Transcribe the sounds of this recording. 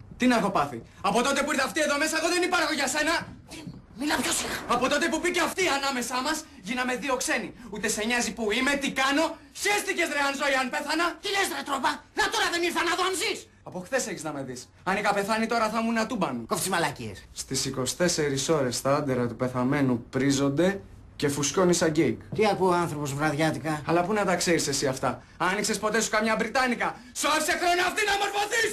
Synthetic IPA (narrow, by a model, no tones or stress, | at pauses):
t̪inɐxo̞pɐθi | ɐpo̞t̪o̞t̪e̞puiɾθɐft̪ie̞ðo̞me̞sɐeɣo̞ðe̞nipɐɾxo̞ʝɐse̞nɐt̪imilɐpçosixɐpo̞t̪o̞t̪e̞pupiceɐft̪iɐnɐme̞sɐmɐs | ʝinɐme̞ðio̞kse̞niut̪e̞seɲɐzipuime̞t̪ikɐno̞ | çest̪icezðɾeɐnzoiɐnpe̞θɐnɐt̪ilezɾet̪ɾovɐnɐt̪o̞ɾɐðeniɾθɐnɐðoɐnzis | ɐpo̞xθe̞se̞çiznɐme̞ðis | ɐnikɐpe̞θɐnit̪o̞ɾɐθɐmunɐt̪ubɐnukoft̪izmɐlɐcḭesst̪isiko̞st̪e̞se̞ɾiso̞ɾe̞st̪ɐɐnd̪eɾɐt̪upe̞θɐme̞nupɾizo̞nd̪e̞ | ce̞fusco̞nisɐɟekt̪iɐkuoanθɾo̞po̞zvɾɐðʝɐt̪ikɐɐlɐpunɐt̪ɐkseɾisesiɐft̪ɐ | ɐniksespo̞t̪e̞su̥kɐmɲɐbɾit̪ɐnikɐ | sofise̞xɾo̞niɐft̪inɐmo̞ɾfo̞θis